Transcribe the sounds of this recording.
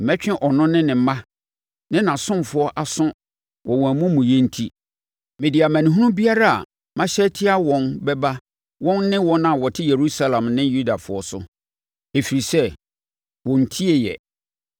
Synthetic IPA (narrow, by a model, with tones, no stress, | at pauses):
m̩˨mɛ˦t͡ɕᶣɪ̃˦ʔɔ˨nʊ̃˦nɪ̃˦nɪ̃˨m˦mã˦ | nɪ̃˦nã˨sʊ̃˦mfʊ˨˦ɔ˦ʔa˨sʊ̃˦ | wɔ˨wɔ̃˨mʊ̃˦mũ˨jɛ˦n̩˦tʰi˦ | mɪ̃˨di˨a˨mæ̃˨nʊ̃˨ɦũ˦ũ˦bi˦a˦ɾa˦a̰˨ | mã˦ɕɛ˦tʰɪ˦a˦wɔ̃˨nbɛ˦ba˦ | wɔ̃˦nːɪ̃˦wɔ̃˦nã˦˨wɔ˨tʰɪ˦je˨ɾu˦sa˦lã˨mnɪ̃˦ju˦da˨fʊ˨ɔ˦sʊ̰˦ | e˨fi˨ɾi˨sɛ˦ | wɔ̃˨n̩˨tʰi˦e˨jɛ̰˨